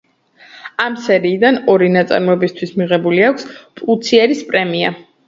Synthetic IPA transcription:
amsɛɾiːd̪anɔɾinat̪sʼa̰ɾmɔɛbist̪ʰwismiʁɛbuliakʷʰspʼlt̪sʰiɛɾispʼɾɛmia̰

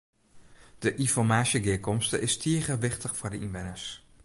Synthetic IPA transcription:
d̥əʔinfɔɹmaːʃjəɡɪːkɔmstəʔɪstʰiəɣəʋɪχtəxfʊɹdəʔinʋɪnəs

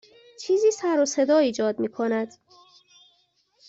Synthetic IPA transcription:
t͡ʃʰiːziːsæɾosed̪ɒːiːd͡ʒɒːd̪miːkʰonæd̪̥

